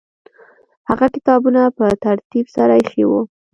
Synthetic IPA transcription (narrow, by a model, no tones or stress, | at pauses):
haɣakɪt̪ɑbunapət̪aɾt̪ibsaɾajxewu